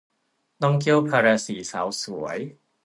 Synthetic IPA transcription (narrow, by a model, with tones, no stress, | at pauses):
t̪ɔ˥˩ŋki˥˩əwpʰaː˧ɾaː˧siː˨˩˦sa̰ː˩˦wsu˨˩˦əj